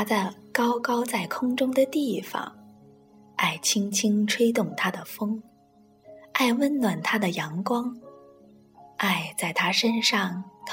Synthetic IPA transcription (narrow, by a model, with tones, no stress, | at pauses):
t̪ʰa˧˥də˧kɑ˥ʊkɑ˥ʊt͡sa˥˩ɪkʰʊ˥ŋʈ͡ʂʊ˥ŋd̪ə˨t̪i˥˩fɑ̰˨˩ŋ | a˥˩ɪt͡ɕʰi˥ŋt͡ɕʰi˥ŋʈ͡ʂʰwe˥ɪt̪ʊ˥˩ŋt̪ʰa˥d̪ə˨fɤ˥ŋ | a˥˧ɪwə˥˩nnwa˨˩nt̪ʰa˥d̪ə˨jɑ˧˥ŋkwɑ˥ŋ | a˥˧ɪt͡sa˥˩ɪt̪ʰa˥ʂə˥nʂɑ˥˩ŋt̪ʰ